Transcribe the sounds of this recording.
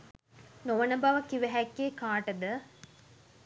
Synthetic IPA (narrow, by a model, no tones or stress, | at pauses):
noʋɐnɐbɐʋɐkiʋɐɦɛkːeːkaːʈɐd̪ə